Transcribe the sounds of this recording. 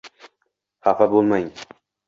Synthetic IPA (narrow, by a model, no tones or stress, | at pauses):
hafabolˠmajim